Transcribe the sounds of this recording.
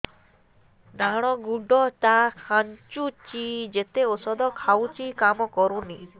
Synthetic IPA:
naɽ̃ɔɡuɖɔt̪akʰaɲt͡ʃut͡ʃid͡ʒet̪eosɔd̪ɔkʰawt͡ʃikamɔkɔɾũni

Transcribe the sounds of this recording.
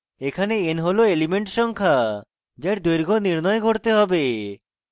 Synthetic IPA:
ekʰaneenɦoloelimeɳʈʃɔŋkʰa | d͡ʒajɾd̪ojɾɡʱoniɾnɔjeɡʱoɾt̪eɦɔbe

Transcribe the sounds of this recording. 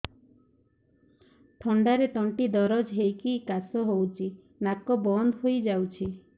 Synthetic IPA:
ʈʰɔɳɖaɾet̪ɔɳʈid̪ɔɾɔd͡ʒɦejkikasɔɦowt͡ʃʰi | nakɔbɔnd̪ɦojd͡ʒawt͡ʃʰi

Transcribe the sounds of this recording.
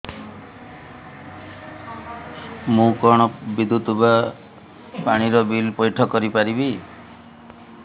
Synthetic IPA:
mũkɔɽ̃ɔbid̪ʱːut̪uba | paɽ̃iɾɔbilpɔjʈʰɔkɔɾipaɾibi

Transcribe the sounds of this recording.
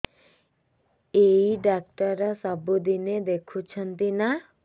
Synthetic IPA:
eiɖak̚ʈɔɾɔsɔbud̪ined̪ekʰut͡ʃʰɔnt̪ina

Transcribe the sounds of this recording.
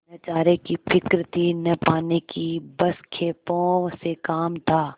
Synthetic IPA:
nɐt͡ʃaːɾekifɪkɾt̪ʰinɐpaːnekibɐskʰeːpõsekaːmt̪ʰaː

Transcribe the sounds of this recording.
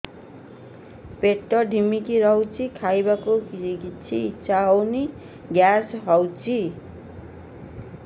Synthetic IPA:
peʈːʌɖʱimikiɾʌwt͡sʰikʰajbakoit͡sʰit͡sawni | ɡjasɦʌwt͡sʰi

